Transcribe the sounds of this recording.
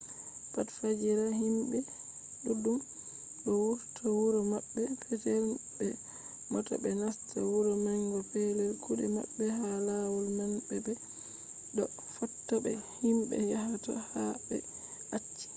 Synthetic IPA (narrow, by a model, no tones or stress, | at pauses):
patfad͡ʒiɾahimbɛ | ɗudum | ɗɔwuɾtʰawuɾɔmabːɛpʰɛtɛlbɛ | mɔtɔ̰bɛnastʰawuɾɔmaŋɡɔpɛlɛlkuɗɛ̰ma̰ɓːɛhalawulmanbɛbɛ | dɔ | fɔtːɔbɛ̰himbɛ̰jahatɔ̰habɛ̰ | ʔat͡ʃːi̥